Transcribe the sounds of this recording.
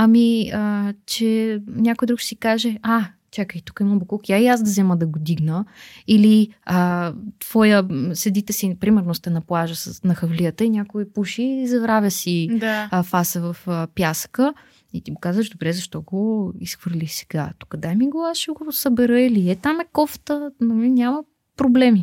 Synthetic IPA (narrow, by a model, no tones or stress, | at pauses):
ɐmiət͡ʃɛnʲakoid̪ɾuksikaʒɛa | t͡ʃ̪ʰʲakəit̪u̥kəimbokukaiazd̪ɐzɛməd̪ɐɡod̪iɡnəiliət̪v̥ɔjəsɐd̪it̪ɛsipɾimɛɾnost̪ɛnɐplˠaʒəsəsnɐxəvlijət̪əinʲakoipuʃizɐvɾavʲjəsid̪afasəvɐfpjasə̥kə | it̪iɡokazvəʒd̪obɾɛzɐʃt̪ɔɡoisxvəɾlʲixsɛ̥ɡa̰t̪u̥kəd̪ajmiɡoaʃɛɡosəbɛɾəiliɛt̪amɛkɔft̪ənɐminʲamə | pɾoblɛmi